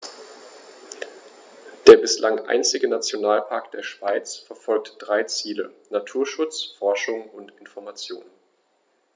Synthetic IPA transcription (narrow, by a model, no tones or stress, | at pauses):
d̥eːɐbɪslʔaŋʔa̰ɪnt͡sɪɡənat͡sjonaːlpʰaɐkd̥eːɐʃv̥aɪt͡sfɛɐfɔlk̚td̥ʁaɪt͡siːlə̰natʰuːɐʃʊt͡sfɔɐʃʊŋʊntɪnfɔɐmat͡sjo̰ːnn